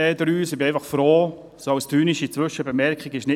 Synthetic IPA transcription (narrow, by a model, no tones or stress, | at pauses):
ɛːdəɾyːsɪbɪɛɪfɑχfɾoː | soɑwstyːniʃit͡sʋʏʃəbəmɛɾkχiɡɪʃnɪ